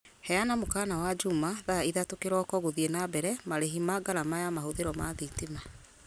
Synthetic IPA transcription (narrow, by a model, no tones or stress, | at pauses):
hɛjanamokaːnawad͡ʒumaðaiðatokeɾɔkɔɣoðienabɛɾɛmaɾeɦimaɡaɾamajamahoðeɾɔmaðitima